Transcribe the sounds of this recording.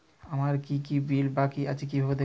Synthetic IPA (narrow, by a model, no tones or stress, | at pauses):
amaɾkikibilbakiat͡ʃikibʱabed̪e